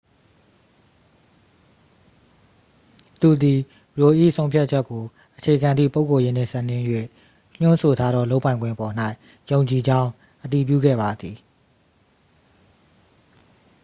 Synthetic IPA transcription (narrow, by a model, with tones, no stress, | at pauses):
t̪u˨d̪i˨ | ɹo˨ʔḭ˦˨ʔsʰõ˦ʊ̃pʰja˦t̚t͡ɕʰɛ˦kːo˨ | ʔət͡ɕʰe˨ɡã˨nd̪ðḭ˦˨po˦ʊkːo˨jɪ̃˦˨n̥ɪ̰̃˦˨sə˦ʔnɪ̃˦jwe˦˨ | l̥ʊ̃˦nso˨tʰa˦d̪ɔ̰˦˨lo˦ʊpã˨ɪ̃ŋɡwɪ̰̃˦˨ʔəpɔ˨n̥a˦ɪ | jõ˨ʊ̃ɲt͡ɕi˨d͡ʑã˦ʊ̃ | ʔət̪i˨p̬jṵ˦˨ɡɛ̰˦˨ba˨d̪ði˨